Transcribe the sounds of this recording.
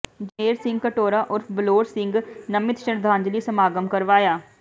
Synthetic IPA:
d͡ʒəeːɾsɪ̃ŋɡ̚kəʈoːɾaːʔʊɾfʰbəloːɾsɪŋɡnəmɪt̪ʃəɾd̪ʱãːɲd͡ʒliːsəmaːɡəmkəɾʋaːjaː

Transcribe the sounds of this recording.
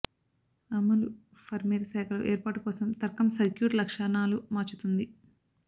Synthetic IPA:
ɐmːɐlu | pʰɐɾmeːɾɐsɛːkʰɐlɐ̰ʔeːɾpaːʈukɔːsɐmt̪ɐɾkɐmsɐɾkjuːʈlɐkʂaːnaːlumaːt͡ʃut̪und̪i

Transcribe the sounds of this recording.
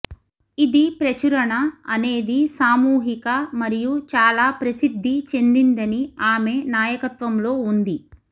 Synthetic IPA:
id̪ipɾɐt͡ʃuɾɐɳɐɐne̞ːd̪isaːmuːɦikɐmɐɾijut͡ʃaːlaːpɾɐsid̪ʱːit͡ʃe̞nd̪ind̪ɐniaːme̞naːjɐkɐt̪ʋɐmlo̞ːund̪i

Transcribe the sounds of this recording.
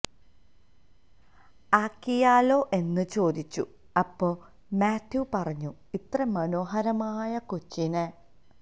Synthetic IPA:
aːkːijaːlo̞ːʔe̞nːɨt͡ɕo̞ːd̪it͡ɕːṵ | ɐpːo̞ː | maːt̪ʰjupɐrɐɲːu | it̪rɐmɐno̞ːɦɐɾɐmaːjɐkut͡ɕːine

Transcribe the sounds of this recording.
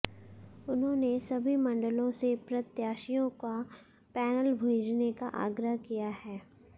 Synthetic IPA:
ʊnɦõnesɐbʱimɐ̃ɳɖəlõsepɾɐt̪jaːʃijõka | pɛːnəlbʱeːd͡ʒneka̰ʔa̰ːɡɾəɦkijahɛː

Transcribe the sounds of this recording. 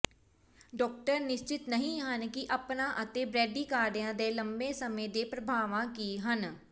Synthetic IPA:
ɖɔːk̚ʈəɾnɪʃt͡ʃɪt̪nəɦĩːɦənkɪʔəpnãːʔət̪eːbɾɛːɖiːkaːɾɖjãːd̪eːləmbeːsəmẽːd̪eːpɾəbʱaːʋãːkiːɦən

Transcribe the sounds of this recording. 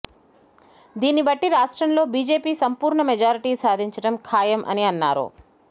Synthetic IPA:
d̪iːnːibɐʈːiɾaːʂʈɾɐmlo̞ːbiːd͡ʒe̞ːpiːsɐmpuːɾɳɐmed͡ʒaːɾiʈiːsaːd̪ʱiɲt͡ʃɐɽɐmkʰaːjɐmʔɐ̰niɐnːa̰ːɾṵ

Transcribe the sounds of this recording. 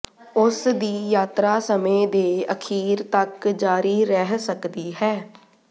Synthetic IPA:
ʊsd̪iːjaːt̪ɾaːsəmẽːd̪eːəkʰiːɾt̪əkd͡ʒaːɾiːɾɛɦsəkd̪iːɦɛː

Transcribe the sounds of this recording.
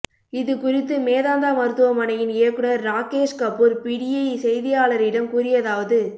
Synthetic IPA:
ɪðɯkʊrɪt̪ːɯmeːðaːnd̪aːmɐɾɯt̪ːɯʋɐmɐnɐjɪnɪjɐkːɯɽɐɾːaːkeːʂkɐpːɯɾpiɽɪjɐisɛjðɪjaːɭɐɾɪɽɐmkuɾɪjɐðaːʋɐðɯ

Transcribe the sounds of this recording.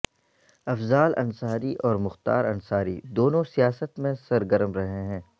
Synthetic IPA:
ɐfzaːlʔɐ̰nsaːɾiʔɔːɾmʊxt̪a̰ːɾɐnsaːɾḭd̪oːnõsijaːsət̪mẽsɐɾɡəɾmɾɐɦẽɦɛ̃ː

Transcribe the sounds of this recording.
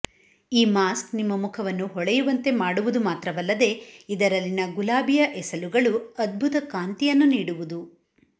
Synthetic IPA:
iːmaːsknimːɐmukʰɐʋɐnːuɦɔɭɛjuʋɐnt̪e̞maːɽuʋud̪umaːt̪ɾɐʋɐlːɐd̪e̞id̪ɐɾɐlːinɐɡulaːbijɐʔɛsɐluɡɐɭuɐd̪̚bʱut̪ɐkaːnt̪ijɐnːuniːɽuʋud̪u

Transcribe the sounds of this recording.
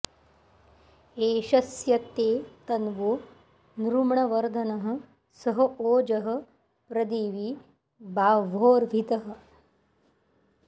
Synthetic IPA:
eːʃɐsjɐt̪eːt̪ɐnʋoː | nɾumɳɐʋɐɾd̪ʱɐnɐɦɐ̆ | sɐɦɐoːd͡ʒɐɦɐ̆ | pɾɐd̪eːʋiː | baːʋoːɾʋʱit̪ɐɦɐ̆

